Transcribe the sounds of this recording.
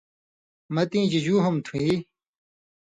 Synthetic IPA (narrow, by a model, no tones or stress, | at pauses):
mɐt̪ĩːd͡ʑid͡ʑuːɦumt̪ʰuĩ